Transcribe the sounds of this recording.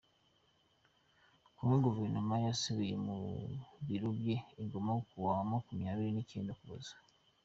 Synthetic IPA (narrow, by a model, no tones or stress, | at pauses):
kumweɡuveɾnomajasiβijemṵβiɾuβjeːŋɡomakuwawamaːkumijaːβiɾineceːndokuβozḁ